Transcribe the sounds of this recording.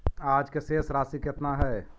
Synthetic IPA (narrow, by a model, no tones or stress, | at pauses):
aːd͡ʒkeseːsɾaːsiket̪naɦɛː